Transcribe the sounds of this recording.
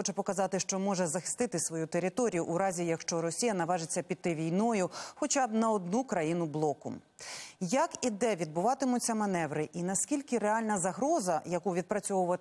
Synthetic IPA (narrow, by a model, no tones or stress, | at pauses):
ɔt͡ʃɛpɔkɐzɑt̪ɪʃt͡ʃɔmɔʒɛzɐxɪ̥st̪ɪt̪ɪsʋɔjut̪eɾɪt̪ɔɾʲijʊʔːɾɑzʲijɐkʃt͡ʃɔɾɔsʲijɐnɐʋɑʒɪt͡sʲːɐpʲid̪̚t̪ːɪʋʲijnɔjʊxɔt͡ʃabnɐɔd̪nukɾɐjinʊblˠɔkʊm | jɐkid̪ɛʋʲid̪̚bʊʋɑt̪ɪmʊt͡sʲːɐmɐnɛʋɾɪʔinɐskʲilʲkɪɾeɑlʲnɐzɐɦɾɔzɐjɐkuʋʲid̪̚pɾɐt͡sʲɔʋʊʋɐ